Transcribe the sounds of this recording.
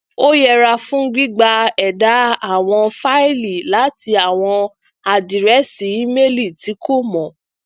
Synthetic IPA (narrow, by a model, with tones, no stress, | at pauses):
o˦jɛ˧ɾa˧fũ˦ɡ͡bi˦ɡ͡ba˧ɛ˨da˨˦a˦˨w̃ɔ̃˧fa˦i˦li˨la˨˦tʰi˧a˨w̃ɔ̃˧ | a˨di˨ɾɛ˨˦si˨˦me˦li˦˨ti˨˦kʰo˦˨mɔ̃˨